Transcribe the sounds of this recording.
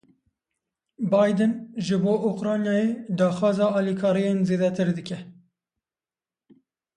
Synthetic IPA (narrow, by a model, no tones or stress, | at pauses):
bɑːjd̪ɨnʒɨboːʔokɾɑːnjɑːjeːd̪ɑːxwɑːzɑːɑːlikʰɑːɾijeːnzeːd̪ɛt̪ʰɨɾd̪ɨkʲɛ